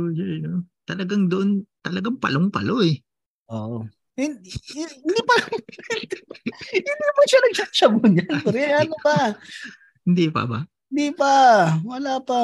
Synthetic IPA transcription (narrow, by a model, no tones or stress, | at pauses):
ojajnot̪ɐlɐɡaŋd̪oʔont̪ɐlɐɡaŋpɐ̰loŋpɐ̰loʔɛ | ʔoʔ | ɪnɪnd̪ipɐnd̪hɪnd̪ipɐʃanɐɡ̚sasɐbonjɐnpɐɾɐnopa | hɪnd̪ipɐ̰ba̰hɪnd̪ipɐwɐlaːpɐ